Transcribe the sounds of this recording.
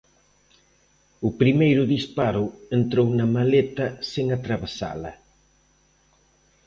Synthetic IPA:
ʊpɾimejɾʊðispaɾʊent̪ɾownɐmalet̪ɐseŋat̪ɾaβesa̰lɐ̰

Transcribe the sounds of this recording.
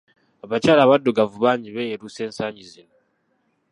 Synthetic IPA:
aβacaːlaːβadːuɡavuβaːɲɟiβejeɾuse̞ːnsaːɲɟizino

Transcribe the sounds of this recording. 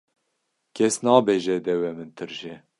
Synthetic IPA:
kʰʲɛsnɑːbeːʒɛd̪ɛwɛmɨnt̪ʰɨɾʒɛ

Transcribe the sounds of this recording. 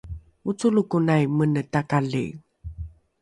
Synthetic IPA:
mut͡sulukunajmənətakalḭ

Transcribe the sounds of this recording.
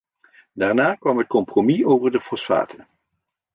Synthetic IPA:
daːɹnaːkʋɑmɦət̚kɔmpromiowvəɹdəfɔsfa̰ːtʰə

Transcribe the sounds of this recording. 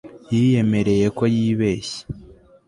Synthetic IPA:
jije̞me̞ɾe̞je̞ko̞jiːβe̞ːɕe̥

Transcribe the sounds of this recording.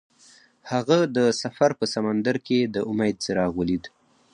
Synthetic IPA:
haɣad̪əsafaɾpəsamand̪aɾked̪əʔʊmajd̪̚seɾɑɣwəlid̪

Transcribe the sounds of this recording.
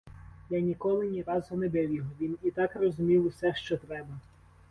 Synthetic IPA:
jɑnʲikɔlˠɪnʲiɾɑzɔnɛbɪwʲjɔɦɔʋʲinit̪ɑkrɔzʊmʲiwʊsɛʃt͡ʃɔt̪ɾɛbɐ

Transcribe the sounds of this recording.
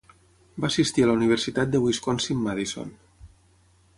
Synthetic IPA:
baəsist̪iələuniβ̞əɾsit̪at̪̚d̪əβwiskonsimːaðiso̰n

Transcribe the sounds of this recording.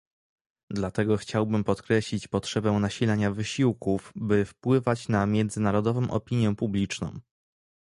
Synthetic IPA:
d̪lat̪ɛɡɔxt͡ɕawbɘmpɔt̪kɾɛɕlʲit͡ɕpɔtʂɛbɛw̃naɕilɛɲavɘɕiwkuvbɘfpwɘvat͡ɕnamʲjɛnd̪zɘnaɾɔd̪ɔvɔ̃w̃ʔɔ̰pʲiɲjɛpublʲit͡ʂnɔ̰̃w̃

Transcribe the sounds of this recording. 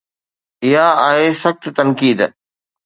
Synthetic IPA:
ɪɦaaːɦesɐxt̪t̪ɐnkiːd̪

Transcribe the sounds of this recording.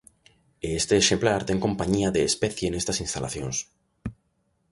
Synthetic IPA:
eest̪eːʃemplaɾt̪e̞ŋko̞mpaɲiaðeːspeθjeːne̞st̪asinst̪alʔa̰θjo̞ns

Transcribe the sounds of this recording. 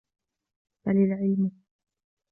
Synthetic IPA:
falɪlʕɪlm

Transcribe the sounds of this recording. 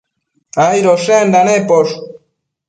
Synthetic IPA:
ajɾoʃend̪anepoʂ

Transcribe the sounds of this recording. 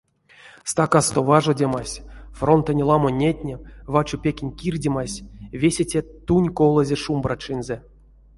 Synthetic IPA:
st̪akast̪ovaʐodʲemasʲfront̪ənʲlˠamonʲːetʲnʲevat͡ʃupʲekʲenʲkʲirʲdʲemasʲvʲesʲetʲet̪unʲkolˠəzʲeʂumbrat͡ʂɨnze

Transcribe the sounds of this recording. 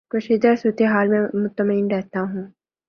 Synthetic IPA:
kʊʃɪd̪əsut̪eɦaːlmẽmʊt̪əmiːnɾɛːt̪aɦũː

